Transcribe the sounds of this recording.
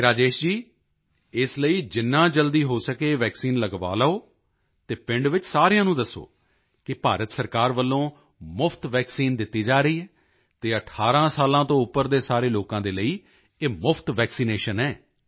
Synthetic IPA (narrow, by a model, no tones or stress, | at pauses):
ɾaːd͡ʒeːʃd͡ʒiː | ɪsləiːd͡ʒɪnːãːd͡ʒəld̪iːɦoːsəkeːʋɛːksiːnləɡʋa̰ːlaːoː | t̪eːpɪ̃ɳɖʋɪt͡ʃsaːɾɪjãːnũːd̪əsːo̰ː | kɪpaːɾət̪səɾkaːɾʋəlːõː | mʊpʰt̪ʋɛːksiːnd̪ɪt̪ːiːd͡ʒaːɾəiːɦɛː | t̪eːəʈʰaːɾãːsaːlãːt̪õːʊpːəɾd̪eːsaːɾeːloːkãːd̪eːləiː | eːmʊpʰt̪ʋɛːksiːneːʃənɛː